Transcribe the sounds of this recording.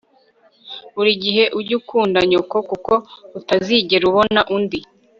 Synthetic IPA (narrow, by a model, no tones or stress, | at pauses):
uɾiɟiɦe̞ʔuɟukuːndaɲoko̞kuko̞utaziɟe̞ɾuβo̞naʔundi